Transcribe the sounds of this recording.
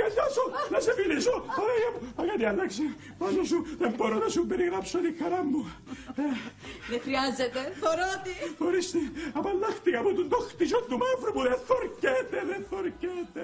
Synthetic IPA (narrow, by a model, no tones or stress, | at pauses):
kɐːɐsunɐsemilisopɐɾejɐmuɐɣɐt̪iɐlːɐkse | pɐsosuðemboɾonɐsumbeɾiɣɾɐpsot̪ixɐɾɐmːu | eðexɾiɐzet̪efoɾot̪ixoɾist̪iɐpɐlːɐxt̪ikɐmut̪und̪oxt̪isont̪umɐvɾopuðeθoɾcet̪eðeθoɾcet̪e